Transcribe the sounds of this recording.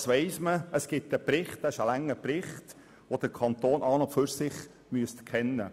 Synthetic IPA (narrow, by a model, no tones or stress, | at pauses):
sʋɛɪsməəsɡ̥ɪtːəpɾɪχt̚dæɪʃəlæŋːəpɾɪχt | ʋod̥əɾkʰɑnt̪oːnʔɑːnɔføɾsɪχ | myəstkʰɛnːə̰